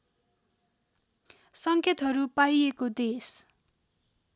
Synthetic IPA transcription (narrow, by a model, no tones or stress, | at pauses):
sʌŋket̪ɦʌɾupajekod̪es